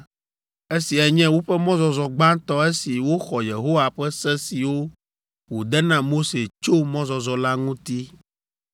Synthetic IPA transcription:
e˦si˨ɛ˨ɲɛ̃˦wo˦ɸɛ˦mɔ̃˦zɔ˨zɔ˨ɡ͡ba˦nt̪ɔ˦e˦si˨wo˦xɔ˨je˨ɦo˦wa˨ɸɛ˦sɛ˦si˨wo˦ | wo˨d̪ɛ˦nã˨mo˦se˨t͡ʃo˦mɔ̃˦zɔ˨zɔ˨la˦ŋũ˦t̪i˦

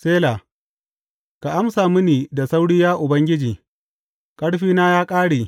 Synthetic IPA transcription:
seː˦la˨ | ka˨ʔa˦msaː˨mʊ˦niː˨da˨sa˦wɽɪ˦jaː˦ʔʊ˨bɐ˦ŋɡʲɪ˦d͡ʒiː˨ | kʼɐ˦ɽɸiː˦naː˦jaː˦kʼaː˦ɽeː˨

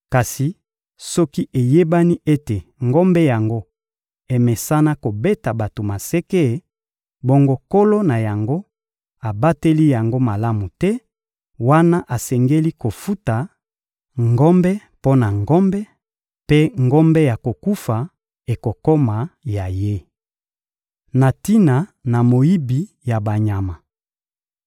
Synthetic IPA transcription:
ka˨si˨ | sɔ˦ki˦ʔe˨je˦ba˦ni˦ʔe˦te˨ŋɡɔ˦mbɛ˦ja˨ŋɡo˦ | e˨mɛ˨sa˦na˦ko˨be˦ta˨ba˨to˨ma˨sɛ˦ke˦˨ | bo˦ŋɡo˦ko˦lo˦na˨ja˨ŋɡo˦ | a˨ba˦te˦li˦ja˨ŋɡo˦ma˨la˦mu˨tɛ˦ | wa˦na˦ʔa˨sɛ˨ŋɡe˦li˦ko˨fu˦ta˨ | ŋɡɔ˦mbɛ˦ | po˦na˨ŋɡɔ˦mbɛ˦ | pe˦ŋɡɔ˦mbɛ˦ja˨ko˨ku˦fa˨ | e˨ko˨ko˦ma˨ja˨je˦ | na˨ti˦na˨na˨mo˨i˦bi˨ | ja˨ba˨ɲa˨ma˨

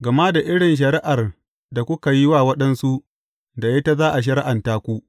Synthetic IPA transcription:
ɡɐ˨ma˦da˨ʔɪ˦ɽɪ˨nʃ̬ɐ˨ɾɪ˦ʔa˨r | da˨kʷʊ˦ka˨ji˦waː˦˨wɐ˦ɗɐ˦nsu˦ʔ | da˨je˦ta˦zaː˦ʔa˨ʃ̬ɐ˦ɾɪ˦ʔa˨ntaː˦kʷu˦ʔ

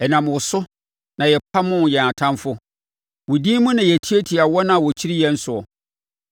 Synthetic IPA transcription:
ɛ˨nã˨m˨wʊ˨sʊ˦ | nã˨jɛ˨pʰa˦mʊ̃˦n˨jɛ˨na˨tʰã˦mfʊ˦ | wʊ˨dĩ˦mʊ̃˦nã˨jɛ˨tʰi˦e˦tʰi˨a˨wɔ˦nã˨wɔ˨t͡ɕʰi˦ɾi˦jɛ̃˦n̩˦sʊ˨ɔ˨

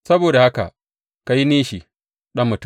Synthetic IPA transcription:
sɐ˦boː˨da˨ha˦ka̰˨ | ka˨ji˦neː˦ʃi˨ | ɗɐ˦mːʊ˨t

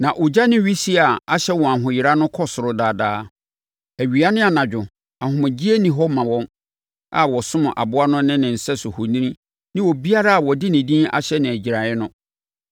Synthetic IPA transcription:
nã˨ʔʊ˨d͡ʑa˦nɪ̃˦ɥi˦si˦a˨a˦ɕɛ˦wɔ̃˨ã˨ɦʊ̃˨jɪ˨ɾa˦nʊ̃˦kʰɔ˦sʊ˨ɾʊ˦daː˨daː˦ | æ˨ɥi˨a˦nɪ̃˦a˨nã˨d͡ʑᶣʊ˨ | a˨hʊ̃˨mɪ̃˨d͡ʑi˦e˦nĩ˨ɦɔ˦mã˨wɔ̃˦m | a̰˨wɔ˨sʊ̃˦mʊ̃˨ʔa̰˨bʊ˦a˦nʊ̃˦nɪ̃˦nɪ̃˨n̩˨sɛ˦sʊ˨hʊ˨nĩ˦ĩ˦ | nɪ̃˦wɔ˨bi˦a˦ɾa˦a˨wɔ˨dɪ˦nɪ̃˨dĩ˦a̰˨ɕɛ˦nɪ̃˨æ˨d͡ʑi˨ɾa˨ɪ˦nʊ̃˦

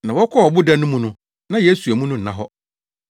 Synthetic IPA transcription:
nã˨wɔ˦kʰɔ˦ɔ˨bʊ˦da˦nʊ̃˦mũ˦nʊ̃˦ | nã˦je˦su˨æ˨mũ˦nʊ̃˦n̩˨ã˦ɦɔ˦

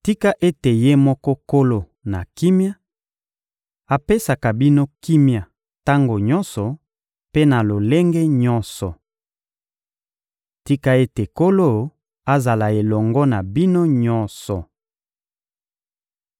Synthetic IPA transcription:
ti˦ka˦ʔe˦te˨je˦mɔ˦kɔ˦ko˦lo˦ | na̰˨ki˦mja˦ | a˨pe˦sa˨ka˨bi˦no˦ki˦mja˨ | ta˦ŋɡo˨ɲɔ˦nsɔ˨ | pe˦na˨lo˨le˦ŋɡe˦ɲɔ˦nsɔ˨ | ti˦ka˦e˦te˨ko˦lo˦ | a˦za˨la˨e˨lɔ˨ŋɡɔ˦na˨bi˦no˦ɲɔ˦nsɔ˨

